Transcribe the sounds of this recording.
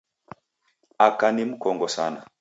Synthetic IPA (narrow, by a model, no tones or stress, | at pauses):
akanimukɔŋɡɔsa̰na